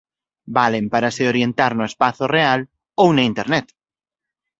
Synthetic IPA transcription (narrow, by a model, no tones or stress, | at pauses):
balempaɾaseoɾje̞nt̪aɾnoespaθoreal | owneint̪eɾnet̪